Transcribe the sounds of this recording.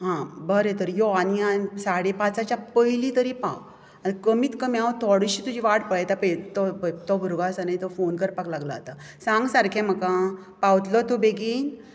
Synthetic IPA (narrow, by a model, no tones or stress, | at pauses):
ɦãbəɾet̪əɾjɔaniasaɽepat͡sat͡ɕjapəɦilit̪əɾipa̰w | anikəmiːt̪kəmiaʋt̪ʰɔɽiɕiːt̪ud͡ʑiʋaʈpəɭjt̪apet̪ɔt̪ɔbʱuɾɡasanajt̪ɔfonkəɾpaklaɡla̰t̪a | sãŋɡsaɾkʰẽm̤əkã | pawt̪lɔt̪ubeɡiːn